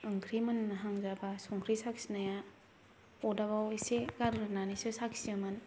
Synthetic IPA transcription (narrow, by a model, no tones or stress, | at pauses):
ɯŋkʰɾimɯnːaɦaŋzabasɔŋkʰɾisaksinaja | ɔdaβawisekaɾɾɯnanisɯsaksiəmɯn